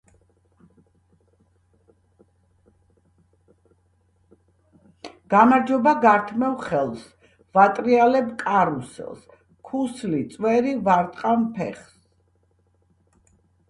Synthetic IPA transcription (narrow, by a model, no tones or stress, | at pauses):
ɡ̥amaɾd͡ʒɔbaɡaɾt̪ʰmɛvχɛlˠs | vat̪ʼɾialɛbkʼaɾusɛ̰lˠs | kʰuslit̪sʼwɛɾivaɾt̪ʼqʼampʰɛ̰χs